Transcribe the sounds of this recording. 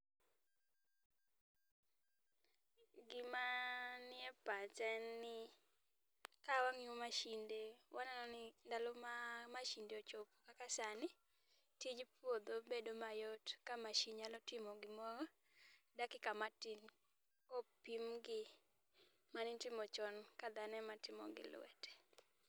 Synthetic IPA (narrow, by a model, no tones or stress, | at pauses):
ɡɪmanɪɛpat͡ʃanːɪ | kawaŋumaʃindewananɔnɪndalɔmamaʃindeot͡ʃopukakasanɪ | tid͡ʒpwod̪obedomajɔtkamaʃiɲalɔtɪmɔɡɪmɔɾɔ | dakɪkamatin | kopimɡɪ | manɪtɪmɔt͡ʃɔnkad̪anɛmatɪmɔ̰ɡɪ̰lwɛ̰tʰɛ̥